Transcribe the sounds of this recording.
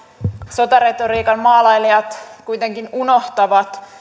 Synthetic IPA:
sot̪ɑret̪oriːkɑnmɑːlɑjliɑt̪kujt̪eŋkinunoht̪ɑʋɑt̪

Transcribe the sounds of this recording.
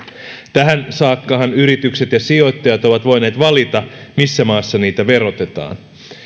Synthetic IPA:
t̪æɦænsɑːkːɑɦɑnyɾit̪ykse̞t̪jɑsio̞t̪ːɑjɑt̪o̞ʋɑt̪ʋo̞jne̞ːt̪ʋɑlit̪ɑmisːæmɑːsːɑniːt̪æʋe̞ɾo̞t̪e̞t̪ɑ̰ːn

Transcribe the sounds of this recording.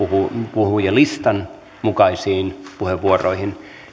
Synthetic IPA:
uhupuhujelist̪ɑn | mukɑisiːnpuheʋʋuoro̰ihin

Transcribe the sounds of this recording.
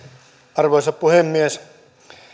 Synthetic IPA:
ɑrʋoisɑppuhemːies

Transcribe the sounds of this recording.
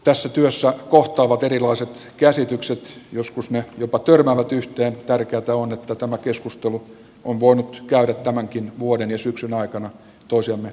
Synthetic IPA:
t̪æsːæt̪yøsːækoht̪ɑːʋɑt̪erilɑiset̪kæsit̪ykset̪joskusnejopɑt̪ørmæːʋæt̪yht̪eːnt̪ærkeæt̪æonet̪ːæt̪æmækeskust̪elu | onʋoinut̪kæyɾæt̪tæmæŋkinʋuoɾenjɑsyksynɑikɑnɑ | t̪oisiɑmme

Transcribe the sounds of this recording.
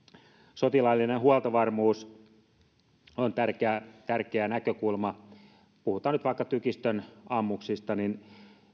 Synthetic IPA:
sot̪ilɑlːinehuɑlt̪ɑʋɑrmuːs | ont̪ærkeæt̪ærkeænækøkulmɑ | puhut̪ˑɑːnyt̪ʋɑˑikːɑt̪ykist̪ønɑmːuksist̪ɑnin

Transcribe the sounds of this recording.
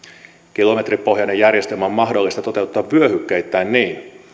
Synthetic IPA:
k̟ilo̞me̞t̪rippo̞hjɑnejærje̞st̪elmæommɑɦdo̞lːist̪ɑt̪o̞t̪e̞ut̪ːɑːʋʋyøhykːeit̪ːæːnniːn

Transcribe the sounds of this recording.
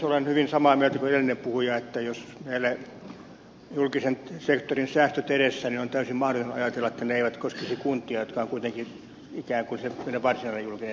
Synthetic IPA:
olenhyʋinsɑmɑːmyøt̪ækueɾelːinːempuhujɑet̪ːæjosmeilːæ | julkisensekt̪orinsæːst̪øt̪eɾesːæninont̪æysimmɑhrot̪onɑ̰jɑt̪elːɑet̪ːæneeiʋæt̪koskesikunt̪ˑiɑjot̪kɑːŋkuit̪eŋki | ikæːŋkunsemeneʋɑrsinɑlːejulkise

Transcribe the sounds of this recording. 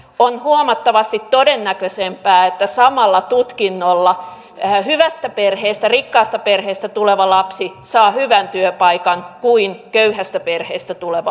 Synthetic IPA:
onhuomɑt̪ːɑʋɑst̪it̪t̪odenːækøsempæːet̪ːæsɑmɑlːɑt̪ut̪kinːolːɑ | hyʋæst̪æperheːst̪ærikːɑːst̪ɑperheːst̪æt̪uleʋɑlɑpsisɑːhyʋænt̪yøpɑikɑŋkuinkøyhæst̪æperheːst̪æt̪uleʋɑ

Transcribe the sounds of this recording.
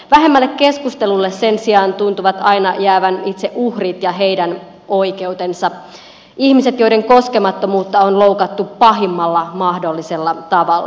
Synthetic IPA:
ʋæɦe̞mːælːekkeskust̪elulːesse̞nsiɑːnt̪unt̪uʋɑt̪ɑinɑjæːʋænit̪seʔuhrit̪jɑɦeidæn | o̞ike̞ut̪ensɑ | ihmiset̪jo̞iɾe̞ŋko̞skemɑt̪ːomuːt̪ːɑonlo̞ukɑt̪ːupɑɦimːɑlːɑmɑhdo̞lːiselːɑt̪ɑʋɑlː

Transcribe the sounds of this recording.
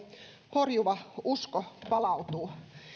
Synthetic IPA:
porjuʋɑuskopɑlɑut̪uː

